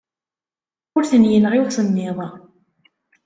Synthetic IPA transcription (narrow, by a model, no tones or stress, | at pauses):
ʊɾθənjənʁɪwsənːɪðˤɑ